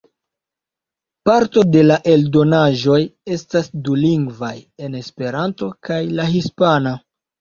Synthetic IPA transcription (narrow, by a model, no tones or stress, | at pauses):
paɾto̞de̞laʔe̞ldo̞naʒo̞je̞stasduliŋɡvaje̞ne̞spe̞ɾanto̞kajlaɦispana